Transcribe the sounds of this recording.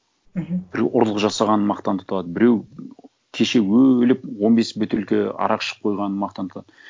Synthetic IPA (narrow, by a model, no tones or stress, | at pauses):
b̥ɪɾewʔʊɾlˠəqʒɑsɑʁɑnənmɑqt̪ɑnt̪ʰʊ̥t̪ˠɑd̪əbɪɾe̞w | kʲʰeʃe̞wɵlɪp̚wo̞nbe̞sbʏt̪elkʲɪɑ̰ɾɑqʃə̥p̚qʰo̞jʁɑnənmɑqt̪ɑnt̪ʰt̪ɑd̪ə